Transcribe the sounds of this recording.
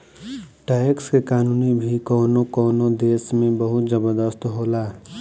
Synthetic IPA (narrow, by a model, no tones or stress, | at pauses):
ʈaːɪkskekaːnuːnibʱikɔːnõkɔːnõd̪eːsmẽbəɦʊt̪d͡ʒəbəɾd̪əst̪ɦoːlaː